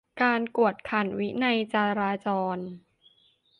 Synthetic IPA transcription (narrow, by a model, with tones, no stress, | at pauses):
kaː˧nku˨˩ət̪̚kʰa˨˩nwi˦˥na˧jt͡ɕaː˧ɾaː˧t͡ɕɔː˧n